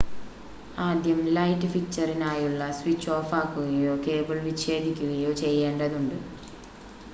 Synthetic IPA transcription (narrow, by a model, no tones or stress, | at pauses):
aːd̪jɐmlɐjtːɨfik̚t͡ɕːɐrinaːjuɭːɐswit͡ɕːo̞ːfaːkːuɣɐjo̞ːke̞ːbɐɭʋiɕe̞ːd̪ʱikʲːuɣɐjo̞ːt͡ɕe̞jːe̞ːɳɖɐðuɳɖɨ